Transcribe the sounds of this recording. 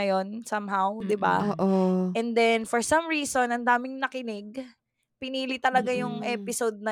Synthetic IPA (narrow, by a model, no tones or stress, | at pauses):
ɐjo̞nsɐmɦawd̪ɪba̰ːʔoʔɛnd̪ɛnfoɹsɐmɹiːsonɐnd̪aːmɪŋnɐkɪnɪɡ̚ | pɪniːlit̪ɐlɐɡajʊŋʔɛːpɪsod̪̚nɐ